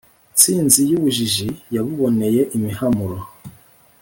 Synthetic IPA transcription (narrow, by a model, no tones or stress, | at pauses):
t͡siːnzijuβuʒiʒijaβuβo̞ne̞je̞ʔimihamuɾo